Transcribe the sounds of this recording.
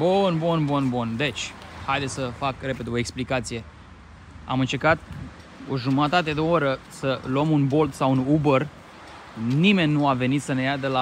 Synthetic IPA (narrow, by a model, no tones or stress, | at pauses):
bunbunbunbund̪e̞t͡ʃʲhajd̪esʲəfakre̞pe̞d̪eo̞eksplikat̪sije̞ | a̰mɨnt͡ʃe̞ɾkat̪̚ | oʒumət̪at̪e̞d̪eoɾəsəluəmunbo̞lt̪sawunubər | nime̞nʲːuave̞nit̪səne̞jad̪ela